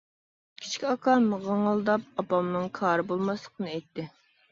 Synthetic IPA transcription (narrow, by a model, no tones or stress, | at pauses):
kʲʰi̥t͡ʃkʲiɑkʰɑməʁəŋəlˠd̪ɑp̚ɑpɑmnɨŋkʰɑːɾɨbolˠmɑslˠəqənɨɛjt̪ːɪ